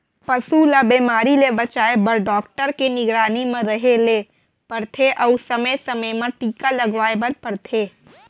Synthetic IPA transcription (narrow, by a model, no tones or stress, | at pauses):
pɐsuːlabeːmaːɾilebɐt͡ʃaːebɐɾɖɔːk̚ʈəɾkenɪɡɾaːnimẽɾɐɦeleː | pɐɾt̪ʰeʔɔusɐməjsɐməjmãʈ̪iːkalɐɡʋaːebɐɾpɐɾt̪ʰeː